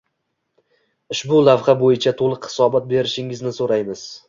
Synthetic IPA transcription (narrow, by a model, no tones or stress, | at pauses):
ʊʃbʊlavχabojɪt͡ʃʰat̪ʰolˠɨqχɪ̥sɒbɒt̪̚be̞ɾɪʃɪŋɪznɪsoɾajmɪz̥